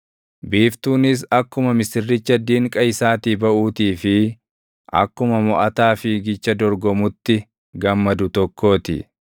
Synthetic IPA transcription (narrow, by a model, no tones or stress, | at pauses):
biːft̪uːnɪs̬ɐkːʊmɐmɪsɪrːɪt͡ʃːɐd̪ːiːŋkʼɐɪsaːt̪iːbɐʔuːt̪iːfɪ | ʔɐ̰kːʊmɐmɔʔɐt̪aːfɪɡɪt͡ʃːɐd̪ɔɾɡɔmʊt̪ːɪ | ɡɐmːɐd̪ʊt̪ɔkːo̞ːt̪ɪ̰